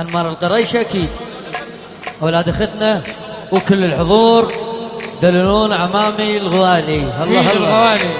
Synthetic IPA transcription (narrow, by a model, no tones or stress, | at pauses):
ʔanmɑːɾˤəlqɑɾˤɑːʃʔakiːd̪ | ʔwlaːd̪axad̪na | wkəlːəlħʊðˤuːɾðalluːnʕamaːmilɣwaːlihɑlˤːɑːhɑːwaːli